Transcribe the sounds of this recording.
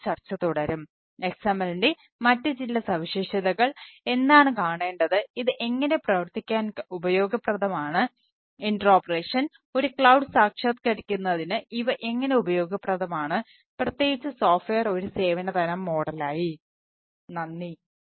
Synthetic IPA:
t͡ɕɐrt͡ɕːɐt̪ːuɽɐɾum | e̞ksaːmɐlnde | mɐtːɨd͡ʑilːɐsɐʋiɕiʂɐðɐɣɐɭe̞nːaːɳɨkaːɳe̞ːɳɖɐðɨiðɨʔe̞ŋːɐne̞prɐʋɐrt̪ikʲːaːnubɐjo̞ːɡɐprɐðɐmaːɳɨ | iɳɖɐro̞ːpːɐreːʂɐn | o̞ɾukɭɐwɖɨsaːkʂɐt̪kɐɾikʲːunːɐðinɨiʋɐʔe̞ŋːɐne̞ubɐjo̞ːɡɐprɐðɐmaːɳɨ | prɐt̪ːje̞ːɣit͡ɕːɨso̞ːfʋejɐro̞ɾuse̞ːʋɐnɐt̪ɐnɐmːo̞ːɽɐlaːji | nɐnːi

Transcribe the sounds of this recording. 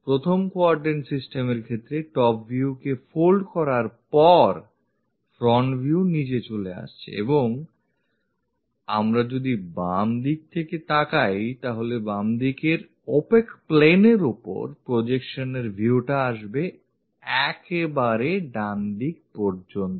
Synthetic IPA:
pɾot̪ʰomkoaɾɖensisʈemeɾkʰet̪ːɾeʈɔpvʱiukefolɖkɔɾaɾpɔɾ | fɾɔɳʈbʱiunid͡ʑet͡ɕolea̰ʃt͡ɕʰḭḛboŋ | a̰mɾad͡ʑod̪ibamd̪ik̚t̪ʰeket̪akajt̪aɦolebamd̪ikeɾ | opekpleneɾupo̰ɾpɾod͡ʑekʃoneɾbʱiuʈaaʃbe | ɛkebaɾeɖanɖik̚pɔɾd͡ʑont̪o

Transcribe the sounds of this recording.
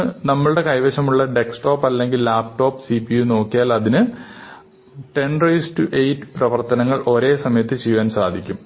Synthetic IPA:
nɐmːɐɭɨɽe̞kɐjʋɐɕɐmuɭːɐɖe̞ksʈo̞ːpːɐlːe̞ŋɡilːaːp̚ʈo̞ːpːsipijuno̞ːkːijaːlɐðinɨ | ʈe̞nrejsʈuʔejtːɨ̥prɐʋɐrt̪ɐnɐŋːɐɭʔo̞ɾe̞ːsɐmɐjɐt̪ːɨt͡ɕejʋaːnsaːd̪ʱikʲːum

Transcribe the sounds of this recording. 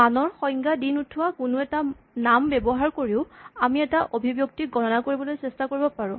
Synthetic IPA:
anɔɹxɔjŋɡadinutʰːuwakʊnʊɛta | nambɛbɔɦaɹkoɹiʊamiɛtaʔobʱibjuk̚tiɡɔnɔnakoɹibɔlojsɛstakoɹibɔpaɹʊ̃

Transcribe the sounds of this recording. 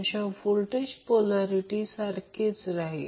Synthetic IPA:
əɕãfulʈeɕpolaɾiʈisaɾkʰet͡sɾaɦe

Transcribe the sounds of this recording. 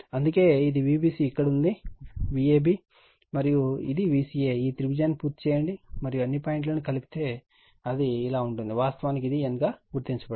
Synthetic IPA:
ɐnd̪uke̞ːid̪iʋiːbiːsiːikːɐɽɐund̪iʋieːbiː | mɐɾijuḭd̪iʋiːsiːeiːt̪iɾibid͡ʒɐjnpuːɾt̪t͡ʃɛːjɐɳɖimɐɾijuɐnːipaːjiɳʈ̬loːnikɐluki̥t̪e̞ː | ɐd̪iːlaːuɳʈund̪iʋaːst̪ɐʋaːnik̬id̪ienɡaːɡuɾt̪iɲt͡ʃɐbɐ

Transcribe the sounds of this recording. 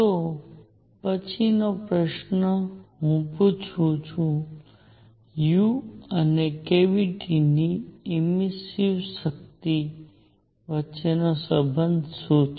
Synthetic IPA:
t̪o | pət͡ʃʰinopɾəʃnəɦũput͡ʃʰut͡ʃʰũ | juɐnekeʋiʈʰiniːɪmisiʋsək̚t̪i | ʋət͡ʃenasəbʱənd̪ʱsoːt͡ʃ

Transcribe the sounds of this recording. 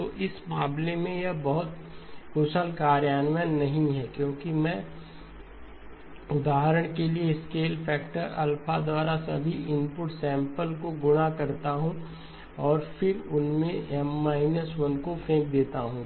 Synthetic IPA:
t̪oːʔɪsmaːblemẽjɐbɐɦʊt̪ | kʊʃəlkaːɾjaːnʋənːɐɦĩɦɛkjõːkimɛ̃ː | ʊd̪aːɦəɾəɽ̃kelieskeːlpʰɛːkʈəɾɐ̰lpʰad̪waːɾasɐ̰bʱiʔɪmpʊʈsɛ̃ːmpəlkoɡʊɽakɐɾt̪aɦũ | ɔːɾfʰɪɾʊnmẽmːaːɪnəswə̃nkopʰẽːk̚d̪eːt̪aɦũ

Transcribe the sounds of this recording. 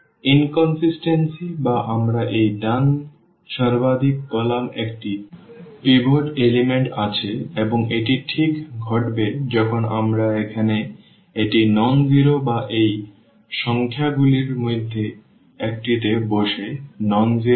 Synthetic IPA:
inkɔnsisʈensibaʔamɾaʔejdan | ʃaɾbad̪ʱik̚bɔlamekʈipibʱoʈelimeɳʈat͡ɕʰeeboŋeʈiʈʰikɡʱɔʈbed͡ʑɔkʰona̰mɾaekʰane | eʈinɔnd͡ʑiɾobaʔej | ʃɔŋkʰjaɡuliɾmojd̪ʱːe | ek̚ʈit̪eboʃenɔnd͡ʑiɾ

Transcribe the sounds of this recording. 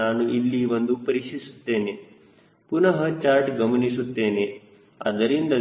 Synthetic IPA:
aːnuʔilːiʋɐnd̪upɐɾiʂisu̥t̪ːe̞ːne | punɐɦɐt͡ʃaːɾʈɡɐmɐnis̬ut̪ːe̞ːne | ɐ̰d̪ɐɾind̪ɐ

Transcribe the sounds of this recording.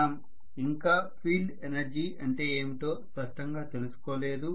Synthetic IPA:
m | iŋkaːpʰiːlɖenɐɾd͡ʒiːɐɳʈe̞ːeːmit̪o̞ːspɐʂʈɐŋɡaːt̪e̞lusu̥koːle̞ːd̪u

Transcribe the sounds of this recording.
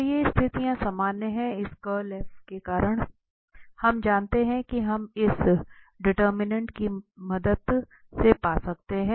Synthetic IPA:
jeɪst̪ʰɪt̪ijãsɐmaːneɦɛ̃ɪskəlɛːfʈkekaːɾəɽ̃ | hɐmd͡ʒaːnt̪eɦɛ̃kiɦɐmɪsɖɪʈəɾmɪnə̃ɳʈkimɐd̪əd̪ | sepaːsɐk̚t̪eɦɛ̃ː

